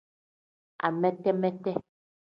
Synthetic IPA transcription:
a̰˨mɛ˦tɛ˦mɛ˦tɛ˦

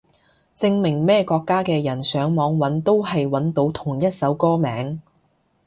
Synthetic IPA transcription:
t͡sɪ˧ŋmɪ˨˩ŋmɛː˥kɔː˧kːaː˥kɛː˧jɐ˨˩nsœː˨˥ŋmɔː˨˧ŋwɐ˨˥nt̪o˥wɦɐ˨jwɐ˨˥nt̪o˨˥wt̪ʰʊ˨˩ŋjɐ˥t̚sɐ˨˥wkɔː˥mɛː˨˥ŋ

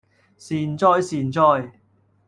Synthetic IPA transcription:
siː˨˩nt͡ʃɔː˥jsiː˨nt͡sɔː˥j

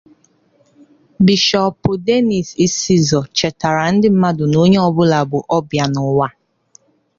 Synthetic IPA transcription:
bi˨ʃɔ˨pʊ˨de˦ni˨si˦si˦zɔ˨t͡ʃɛ˨ta˨ɾa˨n̩˦dɪ˦m̩˦ma˦dʊ˨no˦ɲe˦ɔ˨bʊ˦la˨bʊ˨ʔɔ˦bja˨nʊ˨wa˦

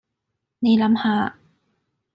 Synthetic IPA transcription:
ni˨˧˥lɐ˨˧˥mhaː˨˧˩

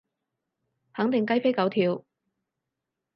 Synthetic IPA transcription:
hɐ˨˥ŋt̪ɪ˨ŋkɐ˥jfe˥jkɐ˨˥wt̪ʰiː˨˧w

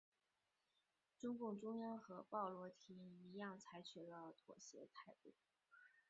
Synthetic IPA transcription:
ʈ͡ʂʊ˥ŋkʊ˥˩ŋʈ͡ʂʊ˥ŋjɑ˥nxɤ˧˥pɑ˥˩ʊlwɔ˧˥t̪ʰi˧˥i˧˥jɑ˥˩ŋt͡sʰa˧˥ɪt͡ɕʰy˨˩lə˧t̪ʰwɔ̰˨˩ɕjɛ̰˧˥t̪ʰa˥˧ɪt̪ṵ˥˩

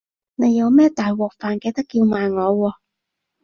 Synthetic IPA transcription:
ne˨˧jːɐ˨˧wmɛː˥t̪aː˨jwɔː˨˩k̚faː˨˩nkɛ˧jt̪ɐ˥kːiː˧wmaː˨jŋɔː˨˧wɔː˧

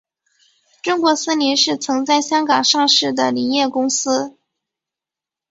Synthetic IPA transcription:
ʈ͡ʂʊ˥ŋkwɔ˧˥s̩˥li˧˥ʂɻ̩˥˩t͡sʰɤ˧˥ŋt͡sa˥˧ɪɕjɑ˥ŋkɑ˨˩ŋʂɑ˥˧ŋʂɻ̩˥˩d̪ə˩li˨˩njɛ˥˩kʊ˥ŋsɹ̩˥

